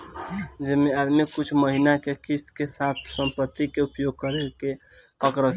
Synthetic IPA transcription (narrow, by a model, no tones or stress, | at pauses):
d͡ʒemead̪mikut͡ʃʰməɦinakekist̪kesat̪̚ʰsəmpət̪ːikeupjoɡ̚kəɾeke | əkɾə